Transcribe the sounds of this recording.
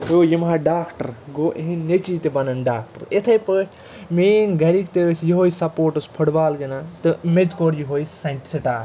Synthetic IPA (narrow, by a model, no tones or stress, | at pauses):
oːjimaɖaːkʈɐɾɡoːʔeɦinːet͡ʃiːt̪ebɐnɐnɖaːk̚ʈɐ̰ɾet̪ʰɐjpɨ | meːnɡɐɾikt̪esjiɦoːjsɐpoːʈɐspʰɐɽbaːlɡɐnat̪ɨmed͡ʒkoːɾjiɦoːjsɐnʈi̥sɐʈaː